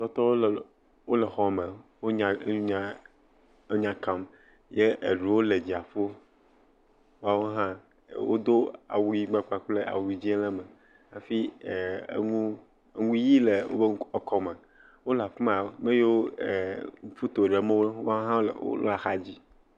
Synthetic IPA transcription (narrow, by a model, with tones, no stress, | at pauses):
t̪ɔ˦t̪ɔ˦wo˦l | wo˦le˨xɔ˦me˨wo˦ɲã˨˦ɲa˦ | ɲã˨kã˨m | je˦ḛ˨ɖu˨wo˦le˨d͡ʑi˨a˨fo˦ | wo˦a˦wo˦ɦã˦ | wo̰˦d̪o˦a̰˨wu˨ji˦ɡ͡ba˦k͡pa˨k͡ple˦ʔa̰˨wu˨i˨d͡ʑi˦e˦lɛ˦me˨ | a˨fḭ˦˨˦ | ŋũ˦ | ŋũ˦ji˦le˨wo̰˦be˦ŋ˦ɔ˨kɔ˦me˨ | wo˦la˨fu˦ma˨o˦me˦je˦wo˦˨ | ŋu˦fu˦t̪o˨ɖe˨mẽ˦wo˦a˦wo˦ɦã˦wlwo̰˦lo̰˦a˨xa˦d͡ʑi˦